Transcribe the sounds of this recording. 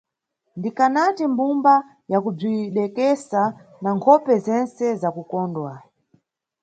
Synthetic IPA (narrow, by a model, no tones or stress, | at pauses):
ndikanatimbumba | jakub͡ʐiɗɛkɛsanaŋkʰɔpɛzɛnsɛzakukɔndwa